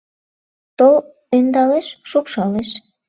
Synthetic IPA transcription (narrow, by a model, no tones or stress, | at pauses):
t̪ol | ønd̪ɑleʃʃupʃɑleʃ